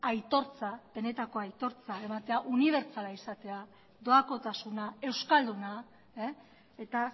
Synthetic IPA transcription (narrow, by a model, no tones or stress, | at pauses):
ajt̪o̞ɾt͡sab̥e̞ne̞t̪ako̞ajt̪o̞ɾt͡sae̞mat̪e̞aʔuniβ̞e̞ɾt͡salaisat̪e̞a | d̪o̞ako̞t̪asunae̞wskald̪una | et̪a